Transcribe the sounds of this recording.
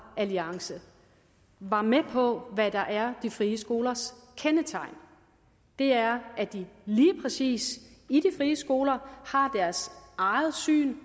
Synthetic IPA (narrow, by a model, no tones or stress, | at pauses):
æliɑ̈ŋsə | ʋɑ̈mepʰɒ̽ʋæd̥ɑ̈ʔæɐd̥ifʁiːəsɡ̥o̝ːlɐskʰenət͡sʰɑ̈ɪn | d̥e̝æɐʔæd̥iliːpʰʁɛsḭːsid̥ifʁiːəsɡ̥o̝ːlɐhɑ̈d̥æɐsɑ̈ɪð̩ˠsy̰ːn